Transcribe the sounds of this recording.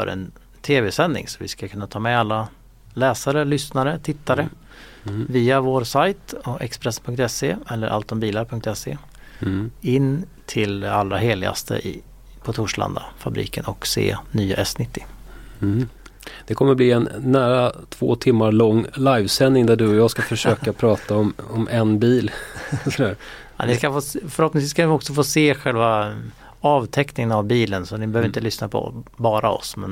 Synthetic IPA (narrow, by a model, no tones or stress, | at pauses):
œ̰ɾʔɛ̰n | t̪ʰeːvɛsɛnːɪ̰ŋsɔvɪ̰skakʰɵnːat̪ʰɑːmɛalːa | lɛːsaɾəlʏsnaɾət̪ʰɪt̪ːaɾə | viːavoːɾsajt̪ɔʔɛkspɾɛsːənpʰɵŋkt̪ɛseɛlːəɾʔa̰lt̪d̪ɔmbiːlaɾpʰɵŋk̚t̪ɛsḛː | ɪnː | t̪ʰɪlalːɾaɦeːlɪɡa̰st̪ʰə̰ʔɪ | pʰɔt̪ʰʊʂɭa̰nd̪a̰fabɾḭːkənɔksḛːnyːaʔɛsnɪt̪ːɪ̥ | d̪̥ɛkʰɔmːəɾbliːɛnːæːɾat̪ʰv̥o̰ːt̪ʰɪmːaɾɭɔŋːlajvsɛnːɪŋd̪æɖɵɔjɑːskafœʂøːkapʰɾɑːt̪aɔmɔmʔɛnbiːlsɔd̪æɾ | anɪskafoːfœɾhɔp̪̚nɪŋsviːskanɪɔksɔfoːseːɧɛlva | ɑːvt̪ʰɛknɪŋənavbiːlənsɔnɪbəhøːvɾɪnt̪əlʏsnapʰɔ̰bɑːɾaɔ̰smɛ̰n